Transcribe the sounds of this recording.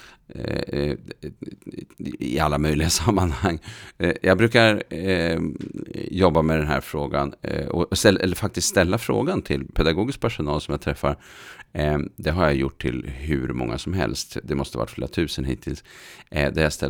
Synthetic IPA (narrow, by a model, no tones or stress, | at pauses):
ɪ̰alːamœjlɪɡasamːanhaŋːjʔɑɡbɾʉ̟ːkaɾ | jɔbːamɛd̪ɛnɦæ̰ɾfɾoːɡa̰nɔst̪ɛʔɛlːəɾfak̚t̪ɪst̪st̪ɛlːafɾo̰ːɡant̪ʰɪlpʰɛd̪aɡoːɡɪsk̚pʰæʂʊnɑːlsɔmjat̪ʰɾɛfːaɾ | d̪ɛɦaɾjajʊʈʰːɪ̰lɦʉ̰ɾmɔ̰ŋːa̰sɔmɦɛ̰lst̪d̪ɛmɔst̪əva̰ʈːfleːɾat̪ʰʉ̟ːsənɦḭːt̪ʰːɪlsd̪ɛjast̪ɛ